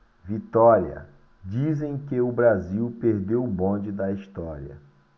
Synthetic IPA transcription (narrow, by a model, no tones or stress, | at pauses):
vit̪ɔɾiɐ̰ | d͡ʒizẽj̃kɪʊbɾaziwpeɾd̪ewbõd͡ʒɪd̪ɐiʃt̪ɔɾiɐ̰